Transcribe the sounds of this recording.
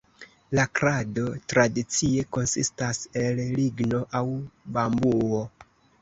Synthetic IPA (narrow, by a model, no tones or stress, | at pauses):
lakɾado̞tɾadit͡sie̞ko̞nsistase̞lliɡno̞ʔawbambuo